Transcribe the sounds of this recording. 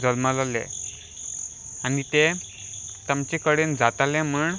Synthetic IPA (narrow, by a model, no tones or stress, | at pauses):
d͡zəlməlalḛ | anit̪e | t̪amt͡ɕekəɽend͡zat̪alẽm̤uɳ